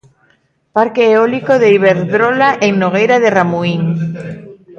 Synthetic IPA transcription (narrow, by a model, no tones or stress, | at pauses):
paɾkeːolikoðeiβeɾðɾolaʔeŋnoɣ̞ejɾaðeramuiŋ